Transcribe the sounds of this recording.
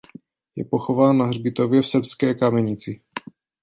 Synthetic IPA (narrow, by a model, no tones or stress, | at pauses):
jɛ̰po̞xovaːnːaɦrbɪt̪ovjɛfsr̩pskɛːkamɛɲɪt͡sɪ